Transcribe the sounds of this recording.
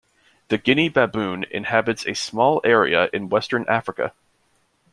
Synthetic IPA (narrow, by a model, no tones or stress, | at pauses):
ðɨɡɪnibæbʉ̃nɪ̰̃nhæbɨtsɨsmɔlˠɛɹḭəʔɨ̃nwɛstə̃˞nʔæfɹɨkɨ̰